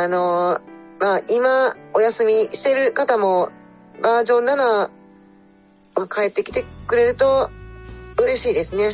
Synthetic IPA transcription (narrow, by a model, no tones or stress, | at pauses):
ano̞ | maːʔimao̞jasɨmʲiɕi̥t̪e̞ɾɯ̟kat̪amo̞ | baːʑõ̞nːana | makae̞t̪ːe̞kʲi̥t̪e̞kɯ̟ɾe̞ɾɯ̟t̪o̞ | ɯ̟ɾe̞ɕiːd̪e̞sɨne̞